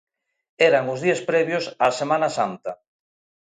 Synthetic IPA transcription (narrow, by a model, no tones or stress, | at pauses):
eɾaŋʊzðiespɾɛβjʊsasemãnasant̪ɐ